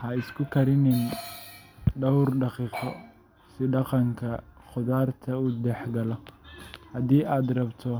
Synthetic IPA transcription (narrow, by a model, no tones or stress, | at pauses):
hɐɪskʰʊkʰɐɾɪnɪn | ɖɐwrɖɑqiːqɔ | sɪɖɑqɑŋkʰɐχʊðaːrt̪ʰɐuːd̪ɛħɡɐlɔhɐðiːʔaːd̪rɐbt̪ʰɔ